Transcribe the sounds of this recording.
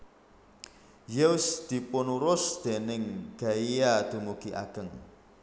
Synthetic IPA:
jesd̪̥i̤pʊnuɾʊsd̪̥e̤nɪŋɡ̥a̤ijad̪̥ṳmuɡ̥iʔa̰ɡ̥əŋ

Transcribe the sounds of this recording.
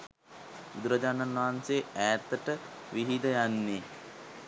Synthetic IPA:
ud̪uɾad͡ʒananʋaɦanseæːt̪əʈəʋiɦid̪əjanːe

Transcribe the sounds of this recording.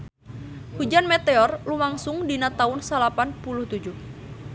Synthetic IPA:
hud͡ʒanmɛt̪ɛɔrlumaŋsuŋdinat̪aunsalapanpuluht̪ud͡ʒuh

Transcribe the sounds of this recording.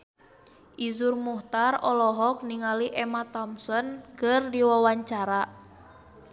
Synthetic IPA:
ʔizurmuht̪arɔlɔɦɔk̚niŋaliʔɛmat̪ɔmsɔnkɨrdiwawaɲt͡ʃaɾa

